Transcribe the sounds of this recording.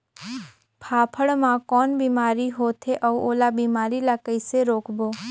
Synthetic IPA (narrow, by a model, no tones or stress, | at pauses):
pʰaːpʰəɽmãkɔːnbiːmaːɾiɦoːt̪ʰeʔəuoːlabiːmaːɾilakəiseɾoːkʰboː